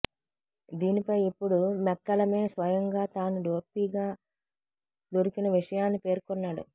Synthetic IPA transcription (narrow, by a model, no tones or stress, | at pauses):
d̪iːnipɐjipːuɽumɛkːɐlɐme̞ːsʋɐjɐŋɡaːt̪aːnuɖo̞ːpiːɡaː | d̪oɾikinɐʋiʂɐjaːnːipe̞ːɾkɔnːaːɽṵ